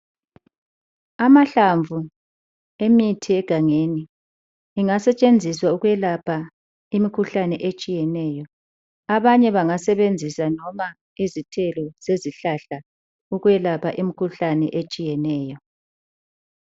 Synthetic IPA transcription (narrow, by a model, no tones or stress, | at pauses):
amaɬaɱvʱu | emitʰiɛɡ̥ʱaŋeniː | ŋasɛt͡ʃʼend͡zʱiswauɣwɛlapʰa | imikʰuɬanɛʔet͡ʃʼijɛnɛːjɔ | aβaɲɛβaŋasɛβend͡zʱisanɔma | izitʰɛlɔz̥eziɬaɬa | uɣwɛlapʰaʔimikʰuɬanɛ̰ʔet͡ʃʼijɛnɛːjɔ